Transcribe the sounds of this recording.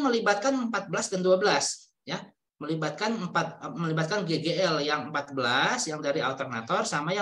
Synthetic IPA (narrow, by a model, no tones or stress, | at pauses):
məlibat̪̚kanəmpat̪̚bəlasdanduabəlas | ja | məlibat̪̚kanəmpat̪̚məlibat̪̚kanɡeɡeɛljaŋəmpat̪̚bəlasjaŋdaɾia̰lt̪ərna̰t̪ɔrsamaja